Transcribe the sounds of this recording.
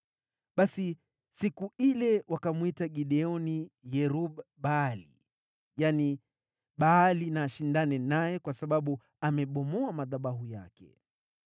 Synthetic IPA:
ɓasi | sikuilɛwakamwitaɠiɗɛɔnijɛɾuɓɓaːlḭ | jani | ɓaalinaːʃindanɛnajɛkwasaɓaɓu | amɛɓɔmɔamaðaɓaɦujakɛ̰

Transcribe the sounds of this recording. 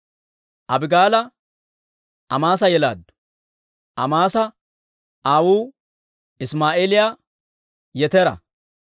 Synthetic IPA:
ʔɐbɪɡaːlɐ | ɐmaːs̬ɐjɛla̰ːd̪ːʊ̥ | ʔɐmaːsɐ | aːwuː | ɪsmaːʔeːlɪjaː | jɛt̪ɛɾɐ̰

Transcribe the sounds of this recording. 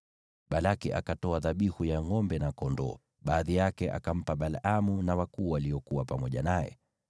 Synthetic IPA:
ɓalakiʔa̰katɔaðaɓihujaŋɔmbɛnakɔndɔ̰ː | ɓaːðijakɛʔa̰kam̩paɓalamunawakuːwaliɔkuwapamɔʄa̰najɛ̰

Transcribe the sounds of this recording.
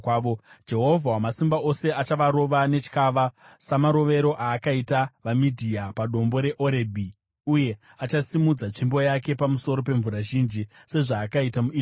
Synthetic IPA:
ʋod͡ʒe̞ɦo̞vʱawamasimbao̞se̞at͡ʃaʋaɾo̞ʋane̞t͡ʃi̥kaʋasamaɾo̞ʋe̞ɾo̞ʔaːkaitaʋamidʱiapaɗo̞mbo̞ɾe̞ʔo̞ɾebʱi | uje̞ | at͡ʃasimud͡zat͡ʂimbo̞jake̞pamuso̞ɾo̞p̬e̞ɱvuɾaʒind͡ʒise̞ʐaːkaitamui

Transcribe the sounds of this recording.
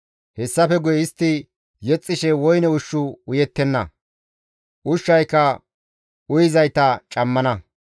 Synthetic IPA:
hɛsːɐfɛɡʊjɛɪst̪ːɪ | jɛt͡sʼːɪʃɛwɔjnɛʊʃːʊʊjɛt̪ːɛnːɐ̰ | ʔʊʃːɐjkːɐ | ʔʊjɪzɐjt̪ɐt͡ʃʼɐmːɐnɐ

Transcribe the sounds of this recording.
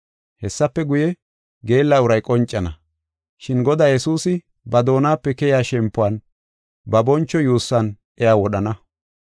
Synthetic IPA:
hɛsːɐpːɛɡʊjɛ | ɡe̞ːlːaʊɾɐjkʼɔnt͡ʃʼːɐnɐ̰ | ʃɪnɡɔd̪aːjɛsuːsɪ | bɐd̪o̞ːnaːpːɛkɛjaːʃɛmpːʊwaːn | bɐbɔnt͡ʃːɔjuːsːɐn | ɛjaːwɔɗɐnɐ

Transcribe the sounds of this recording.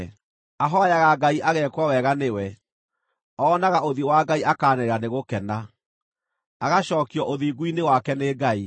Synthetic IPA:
aɦɔajaɣaɡaiʔaɣɛkwɔwɛɣanewɛ | ɔːnaɣaoðiwaːɡaiʔakaːneɾeɾaneɣokɛna | aɣaɕɔːkiɔʔoðiːɡuinewakɛneːɡai

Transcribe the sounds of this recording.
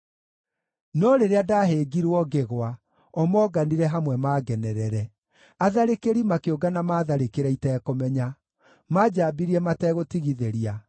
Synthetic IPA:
nɔɾeɾeadaɦeɡiɾwɔɡeɣwa | ɔmɔːɡaniɾɛɦamwɛmaːɡɛnɛɾɛɾɛ | aðaɾekeɾimakeoɡanamaːðaɾekeɾɛitɛːkomɛɲa | mad͡ʑaːbiɾiɛmatɛːɣotiɣiðeɾia

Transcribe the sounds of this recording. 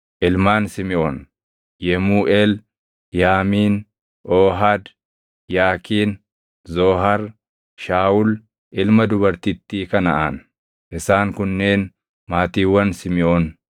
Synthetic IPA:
ʔɪlmaːnsɪmɪʔoːn | jɛmuːʔeːl | jaːmiːn | ʔoːɦad̪ | jaːkiːn | zoːɦɐɾ | ʃaːʊl | ʔɪlmɐd̪ʊbɐɾt̪ɪt̪ːiːkɐnɐʔan | ʔɪsaːŋkʊnːe̞ːn | maːt̪iːwːɐnsɪmɪʔoːn

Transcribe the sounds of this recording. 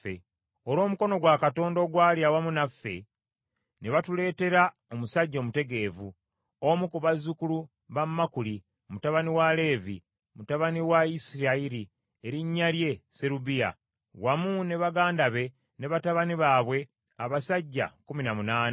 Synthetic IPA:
ḛ | oɾo̞ːmuko̞no̞ɡwakato̞ːndo̞ɡwaːljawamunafːe̞̰ | ne̞βatule̞ːte̞ɾa | o̞musaɟːoːmute̞ɡe̞ːvu | omukuβazukulu | βammːakuli | mutaβaniwale̞ːvḭ | mutaβaniwaisiɾaiɾi | eɾiɲːalje̞se̞ɾubija̰ | wamune̞βaɡaːndaβe̞ | ne̞βataβaniβaːβwe̞ | aβasaɟːa̰kuminamunaːna

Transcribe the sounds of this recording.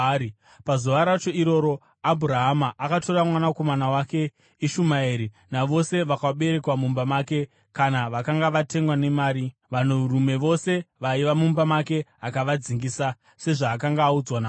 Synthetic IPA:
pazuʋaɾat͡ʃo̞iɾo̞ɾo̞ | abʱuɾaɦamaʔːkato̞ramwanako̞manawake̞ | iʃumaeɾi | naʋo̞se̞ʋakaɓe̞ɾe̞kwamumbamaːke̞ | kanaʋakaŋɡaʋate̞ŋɡwane̞maːɾiʋaneuɾume̞ʋo̞se̞ʋaiʋamumbamake̞akaʋad͡ziŋɡiːsa | se̞ʐaːkaŋɡaːud͡zwana

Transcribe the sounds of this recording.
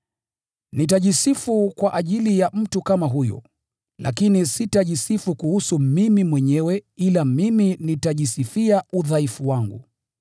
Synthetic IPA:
nitaʄisifukwaʔaʄilijam̩tukamaɦujɔ̰ | la̰kinisitaʄisifukuhusumimimwɛɲɛwɛilamiminitaʄisifiauðaifuwaŋɡṵ

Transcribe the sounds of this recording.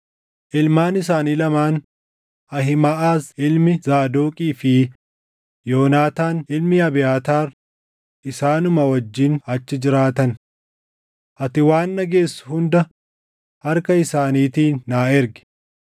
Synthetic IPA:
ʔɪlmaːnɪs̬aːniːlɐmaːn | ɐɦɪmaʔaːsɪlmɪzaːd̪oːkʼiːfɪ | jo̞ːnaːt̪aːnɪlmɪɐbɪjaːt̪aːɾ | ʔɪsaːnʊmɐwɐd͡ʒːɪnɐt͡ʃːɪd͡ʒɪɾaːt̪ɐn | ʔɐt̪ɪwaːnːɐɡe̞ːsːʊ̥hʊnd̪ɐ | hɐɾkɐɪsaːniːt̪iːnːaːɪɾɡɪ̥

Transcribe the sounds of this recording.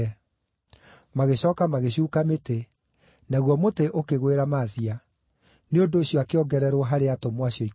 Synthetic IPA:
maɣeɕɔːkamaɣeɕ̬uːkamete | naɣwɔmoteʔokeɣweɾamaðia | neondoːɕijɔakeɔɡɛɾɛɾwɔɦaɾeatomwaɕiɔi

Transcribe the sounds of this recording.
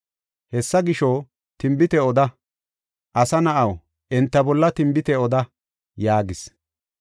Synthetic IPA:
hɛsːɐɡɪʃo | t̪ɪmbɪt̪ɛɔd̪ɐ | ʔɐsɐnɐʔɐw | ʔɛnt̪ːɐbɔlːɐt̪ɪmbɪt̪ɛɔd̪ɐ | jaːɡɪs

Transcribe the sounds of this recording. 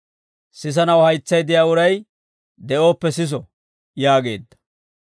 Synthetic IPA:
sɪs̬ɐnɐwhɐjt͡sːɐjd̪ɪjaːʊɾɐj | d̪ɛʔo̞ːpːɛsɪs̬ɔ | jaːɡe̞̰ːd̪ːɐ̥

